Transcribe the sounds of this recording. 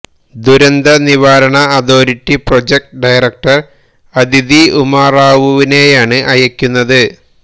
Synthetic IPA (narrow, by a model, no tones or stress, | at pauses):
d̪uɾɐnd̪ɐniʋaːɾɐɳɐːd̪o̞ːɾitːiprod͡ʑek̚ʈɖɐjrɐk̚ʈɐr | ɐd̪ʱid̪iumaːraːʋuʋine̞ːjaːɳɨʔɐjɐkʲːunːɐðɨ